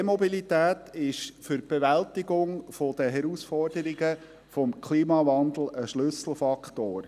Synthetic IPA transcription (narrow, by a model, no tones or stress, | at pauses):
emɔbilit̪æːt̪ɪʃfʏrb̥eʋæltiɡʊŋfɔd̥̪əɦɛɾusfɔrdəɾiɡə | fɔmkʰliːmɑʋɑnd̪l̩ˠəʃlɵsl̩ˠfɑkʰt̪oːɾ